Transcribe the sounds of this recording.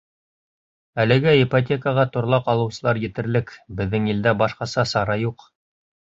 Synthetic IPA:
ælɘ̆ɡæipɐt̬ʲekəʁɑt̪ŏɾlˠɑqɑlˠɤ̆wsɤ̆lˠɑɾjɘ̆t̪ɘ̆ɾlɘkbɘ̆ðːɘŋjɘ̆ld̪æbɑʃqɑsɑsɑɾɑjuq

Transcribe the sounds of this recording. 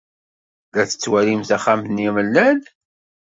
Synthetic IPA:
ðæθə̥t͡sːwælimθæχamθnːiməlːæn

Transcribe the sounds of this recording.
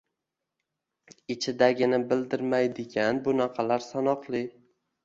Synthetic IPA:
ɪt͡ʃʰɪd̪aɡʲɪnɪbɪld̪ɪɾmajd̪ɪɡʲanbʊnaqʰɑlaɾsanɒqlˠɪ

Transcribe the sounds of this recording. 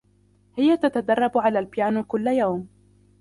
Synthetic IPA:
hɪjat̪at̪ad̪ɑrˤːɑbʕalaːlbjaːnkʊlːajawm

